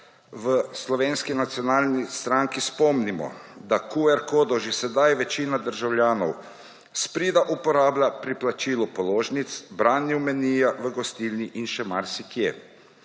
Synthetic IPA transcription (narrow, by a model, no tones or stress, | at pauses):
ʋəslɔʋeːnskinat̪siɔnaːlnist̪ɾaŋkispɔmnimɔ̰d̪akuɛɾkoːd̪ɔʒisɛd̪ajʋɛt͡ʃiːnad̪əɾʒawljaːnɔ̰w | spɾiːd̪aʔupɔɾaːblapɾiplat͡ʃiːlɔpɔloːʒnit̪sbɾaːnjumɛniːjaʋəɡɔst̪ilniʔinʃɛmaɾsikjeː